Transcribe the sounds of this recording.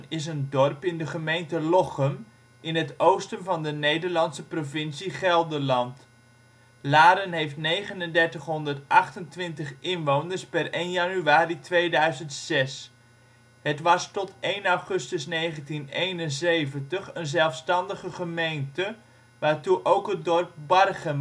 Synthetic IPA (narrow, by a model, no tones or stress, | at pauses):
nɪs̬əndɔrpɪndəχəmejntəlɔχəm | ʔɪnɦətowstənvɑndənejdəɹlɑntsəprovɪnsiχɛlˠdəlɑnt | laːɾənɦejftnejχənəndɛɹtəχɦɔndəɹtɑχtəntʋɪntəχɪnʋownəɹspɛrejnjɑnyaːritʋejdœɥzəntsɛs | ɦətʋɑstɔtejnawχɵstəsnejχəntinejnənzejvəntəχənzɛlˠfstɑndəχəχəmejntə | ʋaːɹtuʔowkɦət̚dɔrp̚bɑrχəm